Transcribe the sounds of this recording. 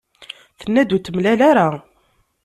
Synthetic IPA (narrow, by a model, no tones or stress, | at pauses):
θənːæd̪ut̪ːəmlælaɾa